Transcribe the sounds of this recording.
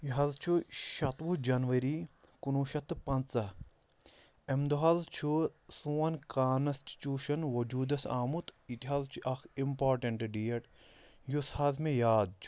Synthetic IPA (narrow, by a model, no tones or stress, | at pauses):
jiɦɐzt͡ʃʰuʃɐt̪ʋud͡ʒɐnʋɐɾikunuːʃɐt̪pɐnt͡sɐ | emd̪uɦɐzt͡ʃʰusuːɐnkaːnɐsʈt͡ʃuːʃɐnʋod͡ʒuːd̪ɐsaːmut̪it̪iɦɐzt͡ʃʰuʔɐximpaːɾʈɐɳʈɖijɐʈ | jushɐzmẽjaːd̪̚t͡ʃʰu̥